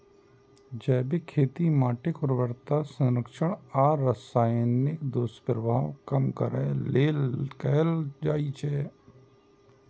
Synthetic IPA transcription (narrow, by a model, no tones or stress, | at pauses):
d͡ʒɛːbɪkʰeːt̪imaːʈɪkpɾəʋəɾt̪asə̃ɾəkʃəɳ̃aːɾəsaːjnɪkd̪oːspəɾʋaːõ̰kəmkəɾɛːleːlkɛːld͡ʒaːit͡ʃʰɛː